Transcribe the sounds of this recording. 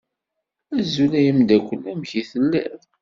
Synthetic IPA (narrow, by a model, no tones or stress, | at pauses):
æzulæjəmd̪ækʷːəlːæmçiθəlːæ̰ɾ